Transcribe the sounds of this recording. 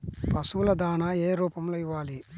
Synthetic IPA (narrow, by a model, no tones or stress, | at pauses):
pɐsulɐd̪aːnɐeːɾuːpɐmloːiʋːaːli